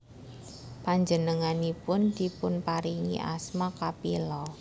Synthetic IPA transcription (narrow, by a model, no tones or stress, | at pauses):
paɲd͡ʒənəŋanipʊnd̪ipʊnpaɾiŋḭʔa̰smakapilɔ